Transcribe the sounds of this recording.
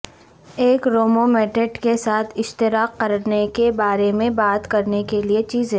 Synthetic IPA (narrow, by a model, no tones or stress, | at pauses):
eːkɾoːmomɛːʈeʈkesaːt̪ʰɪʃt̪ɪɾaːqːɐɾnekebaːɾemẽbaːt̪kɐɾnekeliet͡ʃiːzɦẽ